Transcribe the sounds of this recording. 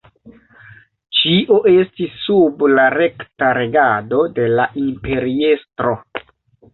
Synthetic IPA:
t͡ʃiʔo̞ʔe̞stisːublaɾe̞ktaɾe̞ɡado̞de̞laʔimpe̞ɾie̞stɾo̞

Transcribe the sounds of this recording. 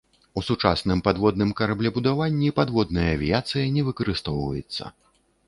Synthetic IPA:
usut͡ʂa̰snɨmpad̪vɔd̪nɨmkɐɾablʲɛbud̪avanʲːipad̪vɔd̪nɐjɐːvʲijat̪sɨjɐnʲɛvɨkɐɾɨst̪ɔwvɐ̰jɛ̰t̪sːɐ̰

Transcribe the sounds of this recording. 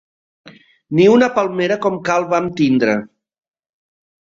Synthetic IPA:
niunəpalˠmeɾəkɔmkalˠβamt̪ind̪ɾə

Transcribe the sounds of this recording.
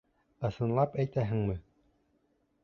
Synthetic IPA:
ɤ̆sɤ̆nlˠɑpæjt̪æɦɘ̆ŋmɘ

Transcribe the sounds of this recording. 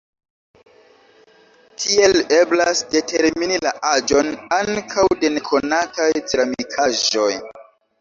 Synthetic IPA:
tʰie̞le̞blasde̞te̞ɾminilaʔad͡ʒo̞naŋkʰawde̞ne̞kʰo̞natajtɾamikʰaʒo̞j

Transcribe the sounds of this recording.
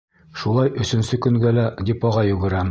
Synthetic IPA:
ʃulˠɑjɵ̆sɵ̆nsɵkɵ̆ŋɡælæd̪ʲipɑʁɑjɵ̆ɡɘ̆ɾæm

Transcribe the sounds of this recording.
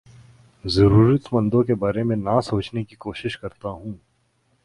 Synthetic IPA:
zɐɾuːɾət̪mɐ̃nd̪õkebaːɾemẽnasoːt͡ʃnekikoːʃɪʃkɐɾt̪aɦũː

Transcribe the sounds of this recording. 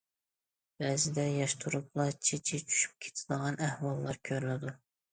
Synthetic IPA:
b̥ɛzɪd̪ɛjɑʃt̪ʰuɾup̚lˠɑt͡ʃʰet͡ʃʰit͡ʃʰy̥ʃy̥p̚kʲʰe̥t̪ʰɪd̪əʁɑnæhwɑlˠːɑɾkʲʰøɾlɪd̪u

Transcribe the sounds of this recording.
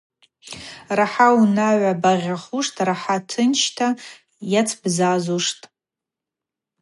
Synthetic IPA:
raħaunaɥabaʁʲaχuʂtʼraħatʰɨnt͡ʃʰtʰa | jat͡sʰbzazuʂtʼ

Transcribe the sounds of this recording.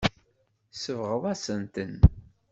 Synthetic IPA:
səvʁəðˤæsənt̪ən

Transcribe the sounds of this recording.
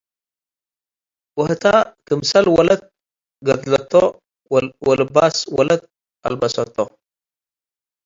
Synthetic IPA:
wɨht̪ʰakʰɨmsɐlwɔlɐt̪̚ | ɡɐd̪lɐt̪ʰːo | wɔlɨbaswɔlɐt̪̚ | ʔa̰lbɐsɐt̪ʰːo

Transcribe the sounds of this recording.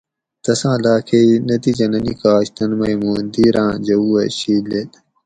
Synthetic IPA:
t̪ɐsãːlaːkʰeinɐt̪iːd͡ʑɐnɐniːkaːɕt̪ɐnmɐimuːnd̪iːɾãːd͡ʑɐuːɐɕiːlet̪

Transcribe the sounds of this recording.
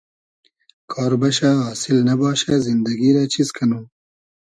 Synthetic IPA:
kʰɑːɾbaʃaɦɑːsɪlnabɑːʃazɪnd̪aɡiɾat͡ʃiskʰanu

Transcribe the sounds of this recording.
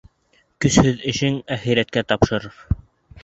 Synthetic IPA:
kɵ̆shɵðɘ̆ʃɘŋæχiɾæt̪̚kæt̪ɑpʃɤ̆ɾɤɾ

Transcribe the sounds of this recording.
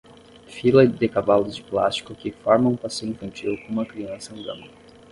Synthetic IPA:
filɐd̪ekavalʊzd͡ʒɪpla̰st͡ʃi̥kʊkɪfɔɾmɐ̃ũpasejʊĩfɐ̃nt͡ʃilkõũmɐkɾiɐ̃sɐnũɡ̪ɐ̰̃mɐ̃

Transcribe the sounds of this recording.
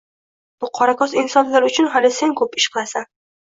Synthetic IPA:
b̥ʊqʰɒɾakɒsɪnsɒnlaɾʊt͡ʃʰʊnɦalɪse̞nkʰɵpɪʃqʰɨlˠasa

